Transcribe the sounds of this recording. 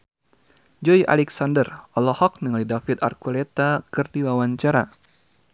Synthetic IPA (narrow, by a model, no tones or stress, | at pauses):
d͡ʒɔjʔa̰lɛksandərɔlɔhɔk̚niŋalidafit̪a̰rkulɛt̪akɨrdiwawaɲt͡ʃaɾa